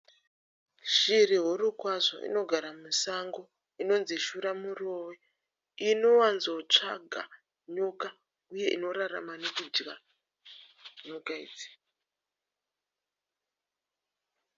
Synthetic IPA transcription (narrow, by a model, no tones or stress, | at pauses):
ʃiriɦuɾukwaʐo̞̰ʔḭno̞ɡʱaɾamusaŋɡo̞ | ino̞nziʃuɾamuro̞we | ino̞wanzo̞t͡ʂaɡʱa̰ | ɲuka | uje̞ʔino̞ɾara̰manekud͡ʒɡa | ɲukaḭːd͡zi̥